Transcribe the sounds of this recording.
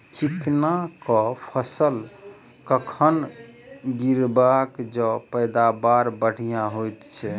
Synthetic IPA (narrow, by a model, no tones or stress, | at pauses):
t͡ʃiknakɔpʰəsəl | kəkʰən | ɡiɾbakd͡ʒɔpəjd̪abaɾbəɽ̤ijaɦojt̪t͡ʃʰɛ